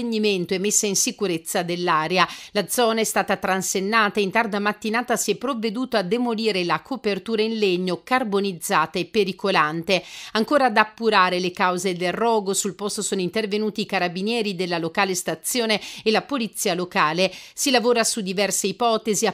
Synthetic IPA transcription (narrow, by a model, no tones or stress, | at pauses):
eɲːiment̪oɛmːesːainsikuɾet̪sːad̪elːaːɾealad̪zɔːnaɛst̪aːt̪at̪ɾansenːaːt̪aint̪ard̪amat̪ːinaːt̪asiɛpːɾovːed̪uːt̪oad̪ːemoliːɾelakʰopert̪uːɾainleɲːokarbonid̪zːaːt̪aepːeɾikolant̪eaŋkoːɾad̪apːuɾaːɾelekawzed̪elrːɔːɡosulpost̪osoːnoint̪ervenuːt̪iːkaɾabinjɛːɾid̪elːalokaːlest̪at̪sːjoːneːlapolit̪sːiːalokaːlesilavoːɾasud̪ːivɛrseipɔːt̪ezi